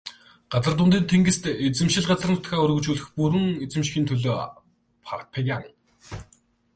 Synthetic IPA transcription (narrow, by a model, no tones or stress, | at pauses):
ɢ̥at͡sə̆rt̪̬ʊnt̪̬iːnt̪ʰeŋɡɘ̆st̪et͡sɘ̆mʃɪ̆ɮɢat͡sə̆r̆nʊ̥t̪xaːɵɾɣɵ̆t͡ɕuːɮɘ̆xpuɾɘ̆ŋet͡sɘ̆mʃxʲiːnt̪ʰɵɮoː | pʰat̪̚pʰeɣʲaŋ